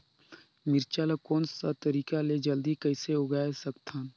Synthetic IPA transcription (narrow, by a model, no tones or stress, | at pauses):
mɪɾt͡ʃaːlakoːnsat̪əɾiːkaled͡ʒɐld̪ikəɪseoɡaesɐkt̪ʰaːn